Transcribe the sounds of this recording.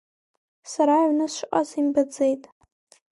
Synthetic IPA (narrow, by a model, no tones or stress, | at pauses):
saɾaʕʷnɨsʃqʼazimbad͡zejtʼ